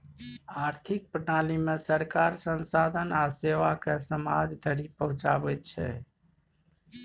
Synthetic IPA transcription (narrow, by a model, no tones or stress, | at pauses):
aɾt̪ʰik̚pɾənalimesəɾkaɾsənsad̪ʱənaseʋakesəma̰d͡ʒd̪ʱəɾipəɦũt͡ʃa̰bɛt͡ʃʰɛ̰